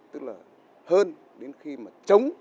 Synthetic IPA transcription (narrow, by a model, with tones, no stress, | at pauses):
t̪ɨ˦˥k̚laː˨˩ | həː˧n | ɗe˨˦nxi˧maː˨˩t͡ɕə˨˦wŋ͡m